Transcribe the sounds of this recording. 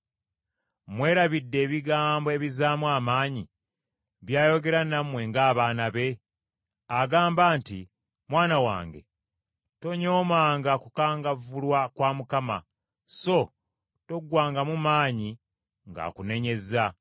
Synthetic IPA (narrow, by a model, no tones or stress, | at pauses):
mwe̞ːɾaβidːe̞ːβiɡaːmboe̞βizaːmwaːmaːɲi | βjaːjo̞ɡe̞ɾanamwe̞ŋɡaːβaːnaβe̞ | aɡaːmbaːnti | mwaːnawa̰ːŋɡe̞̰ | to̞ɲo̞ːmaːŋɡakukaːŋɡavulwakwaːmukama̰ | so̞ | to̞ɡwaːŋɡamumaːɲi | ŋɡa̰ːkune̞ɲe̞za